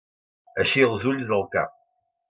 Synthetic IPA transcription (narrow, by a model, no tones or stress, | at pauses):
æʃiʁzulzəlkæ̰